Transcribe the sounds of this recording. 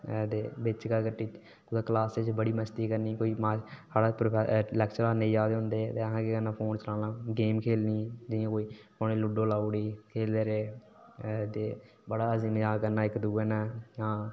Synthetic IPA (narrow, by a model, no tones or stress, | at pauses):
d̪eːbɪt͡ʃkakəʈːiːt͡ʃ | kʊd̪aːklaːset͡ʃbəɽiːməst̪iːkəɾniːkoːiːmaaːɽaːpɾoːpʰɛlɛːkt͡ʃəɾaːneiːd͡ʒaːd̪eːɦʊ̃nd̪eːt̪eːəɦãːkeːkənːãːpʰoːnt͡ʃəlãːnãːɡeːmkʰeːlniːd͡ʒɪjãːkoːiː | oːneːlʊɖoːlaːuɽiːkʰeːld̪eːɾeː | t̪eː | bəɽaːəziːmaːkəɾnaːɪkd̪uːɛːnaːãː